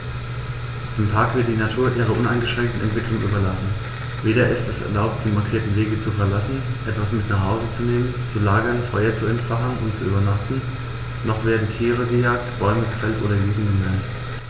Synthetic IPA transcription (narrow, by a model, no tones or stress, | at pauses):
ʔamtʰaɐkv̥ɪɐt̚d̥iːnatʰuːɐʔiːʁ̞ɐʔʊnaɪnɡəʃʁ̥ɛŋk̚tn̩ʔɛ̰ntv̥ɪkl̥lʊŋʔyːbɐlasn̩ | veːɾɐʔɪstɛsɛ̰ɐlaʊp̚t̚d̥iːmaɐkʰiːɐtn̩veːɡət͡sufɛɐlasn̩ʔɛtv̥asmɪtnaχhaʊzət͡suneːmənt͡sulaːɡɐnfɔʏɐt͡suɛntfaχən̩ʊntt͡suʔyːbɐnaχtn̩ | nɔχv̥eːɐdn̩tʰiːʁ̞əɡəjaːk̚tb̥ɔʏməɡəfɛltʔo̰ːɾɐɡiːzn̩ɡəmɛlt